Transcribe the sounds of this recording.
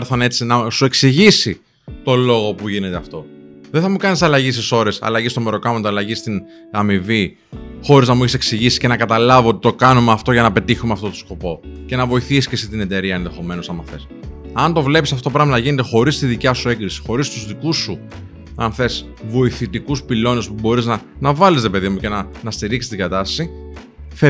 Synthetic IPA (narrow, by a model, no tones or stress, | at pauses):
ɾθɐne̞t͡sinɐsue̞ksiʝisi | t̪o̞lo̞ɣo̞puʝine̞t̪e̞ɐft̪o̞ðeθɐmukɐnisɐlɐʝist̪iso̞ɾe̞sɐ̰lɐʝist̪o̞me̞ɾo̞kɐmɐnt̪oɐlɐʝist̪in | ɐmivi | xo̞ɾiznɐmueçeseksiʝisi̥sce̞nɐkɐt̪ɐlɐvoot̪it̪o̞kɐnumeɐft̪o̞ʝɐnɐpe̞t̪içumeɐft̪o̞t̪o̥sko̞po̞ce̞nɐvo̞iθisiscesit̪ine̞t̪e̞ɾiɐenðe̞xo̞me̞nosɐmɐθe̞s | ɐnt̪o̞vle̞pisɐftop̬ɾɐɣmɐnɐʝine̞t̪e̞xo̞ɾist̪iðicɐsue̞ɡɾisi̥xo̞ɾist̪uzðikusːu | ɐnθe̞s | vo̞iθit̪ikuspilo̞ne̞spubo̞ɾiznɐ | nɐvɐlisɾepe̞ðimuce̞nɐnɐst̪iɾiksi̥st̪ŋɡɐt̪ɐsɐsi | θe